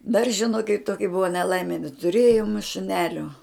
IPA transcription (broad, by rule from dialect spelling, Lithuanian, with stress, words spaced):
dɐr ʒʲɪˈnoːkʲɪt ˈtoːkʲɪ ˈbʊʋɐ nʲɛˈlˠɐɪmʲɪ nʲɛtʊˈrʲeːjoːm ʃʊˈnʲæːlʲoː